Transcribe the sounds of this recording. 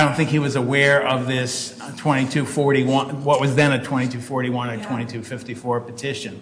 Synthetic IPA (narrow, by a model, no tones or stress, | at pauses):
dõʊ̃nθɪ̃ŋkhiwʌzəwɛɹʌvðɪs | tʰw̥ɛ̃ɾ̃itʰʉfɔɹɾiwʌ̃nwʌt̚wʌzðɨ̃nɨtʰw̥ɛ̃ɾ̃itʰʉfɔɹɾiwʌ̃nɨtʰw̥ɛ̃ɾ̃itʰʉfɪftifɔɹɨpɨtʰɪʃɨ̃n